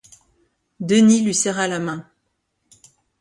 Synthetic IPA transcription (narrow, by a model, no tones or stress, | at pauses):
d̪ənilɥisɛʁalamɛ̃